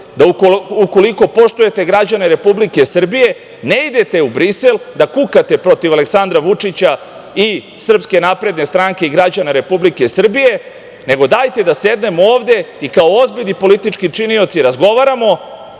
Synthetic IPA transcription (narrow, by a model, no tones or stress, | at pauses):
d̪auouko̞liko̞po̞ʃt̪uje̞t̪e̞ɡɾad͡ʑaneɾe̞publike̞sr̩bije̞ | neid̪e̞t̪e̞ubɾise̞ld̪akukat̪e̞pɾo̞t̪iʋale̞ksand̪ɾaʋut͡ʂit͡ɕa | i | sr̩pske̞napɾe̞d̪ne̞st̪ɾaːŋke̞iɡɾad͡ʑaneɾe̞publike̞sr̩bije̞ | ne̞ɡo̞d̪aːjt̪e̞d̪ase̞d̪ne̞mooːʋd̪e̞ikaoozbiʎnipo̞lit̪it͡ʂkit͡ʂinio̞t̪siɾazɡo̞ʋaɾamo̞